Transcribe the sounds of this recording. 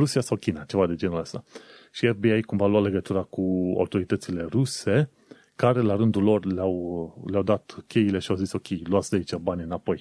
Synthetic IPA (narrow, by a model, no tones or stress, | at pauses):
ɾusiasawkʲinat͡ʃe̞vad̪e̞d͡ʒe̞nuləst̪aʃiefbiajkumvaluale̞ɡət̪uɾakua̰wt̪o̞ɾit̪ət̪sile̞ɾuse̞ | kaɾe̞laɾɨnd̪ulo̞rlawleawd̪at̪kʲe̞jile̞ʃiawziso̞kʲe̞jluat̪sʲd̪eait͡ʃabanʲɨnapo̞j